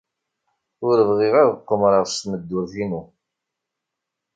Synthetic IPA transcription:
ʊɾəvʁɪʁaðəqːəmɾˤɑʁst̪məd̪ːʊɾθinu

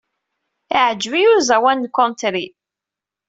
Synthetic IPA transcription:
iʕəd͡ʒvijuzæwænːkːɔnt̪ɾi

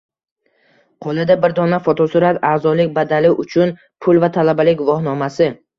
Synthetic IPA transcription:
qʰolˠɪd̪abɪɾd̪ɒnafot̪ʰɒsʊɾat̪aːzɒlɪk̚ʲbad̪alɪʔʊt͡ʃʰʊn | pʰʊlvat̪ʰalabalɪkʲvɒhnɒmasɪ

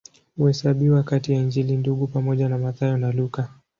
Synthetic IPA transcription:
uhɛsaɓiwakatijaiɲd͡ʒilinduɡupamɔʄanamaθajɔnaluka

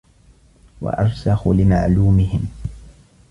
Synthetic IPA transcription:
wa̰ʔɑɾˤsɑxʊlɪmaʕluːmɪhɪm

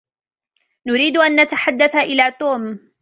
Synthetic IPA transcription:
nʊɾiːd̪ʊʔanːat̪aħad̪ːaθaʔɪlaːt̪ˤoːm

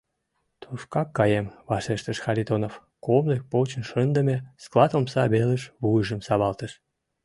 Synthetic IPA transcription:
t̪ʰuʃkɑkːɑjemβɑʃeʃt̪əʃxɑɾʲit̪onof | komlek̚pot͡ɕə̆nʃənd̪əmʲesklˠɑt̪omsɑβeləʃβujəʒəmsɑβɑlt̪əʃ

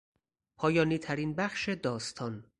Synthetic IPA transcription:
pʰɒːjɒːniːt̪ʰæɾiːnbæxʃe̞d̪ɒːst̪ʰɒːn

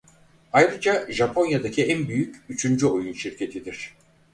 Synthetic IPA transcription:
ajɾɯd͡ʒaʒapʰo̞njad̪acʰiænbyjycyt͡ʃʰynd͡ʒyo̞junʃiɾcʰe̞t̪ʰid̪iɾ̥

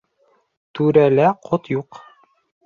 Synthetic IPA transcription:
t̪ʉɾælæqʰot̪juq

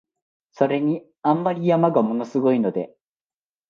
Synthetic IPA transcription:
so̞ɾe̞ɲ̟i | ãmːaɾʲijamaɡamo̞no̞sɨɡo̞ino̞d̪e̞

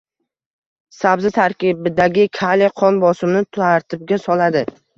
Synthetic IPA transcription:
sabzɪt̪ʰaɾkʲibɪd̪aɡʲɪkʰaleqʰɒnbɒsɪmnɪt̪aɾt̪ʰɪb̚ɡʲasɒlad̪ɪ

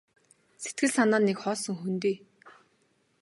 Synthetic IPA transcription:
set̪̚ɡɘ̆ɮsanaːnːekχɔːsɞ̆ŋxunt̪iː

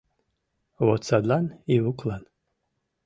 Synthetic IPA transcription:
wot͡sʰalaniwukʼʰlan

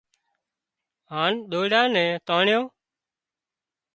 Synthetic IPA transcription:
ɦaːnɗ̪oːɽaːnɛ̃ːt̪aːɳjoː

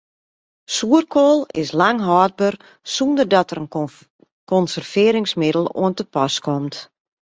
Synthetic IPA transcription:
suərkʰoːlˠɪ̰slaŋɦɔːd̚bər | sundərdɔtərən | kɔnsərfɪːɾɪŋsmɪdəl̩ˠo̰əntəpɔskɔmt

